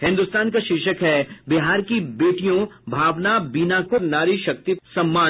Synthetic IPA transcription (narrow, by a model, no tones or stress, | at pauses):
hɪ̃nd̪ʊst̪aːnkaʃɪʃəkɦɛbɪɦaːɾkibeːʈijõbʱaːʋnabiːnaːkʊɾnaːɾiʃɐk̚t̪isɐ̃mːaː